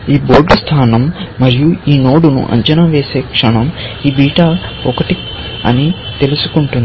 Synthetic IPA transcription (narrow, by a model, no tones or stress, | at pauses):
iːbo̞ːɾɖɐst̪ʰaːnɐmːɐɾijuiːnoːɽunṵʔɐ̰ɲt͡ʃɐnaːʋeːse̞ːkʂɐɳɐmiːbiːʈaɔkɐʈi | ɐ̰nit̪e̞lusu̥kuɳʈund̪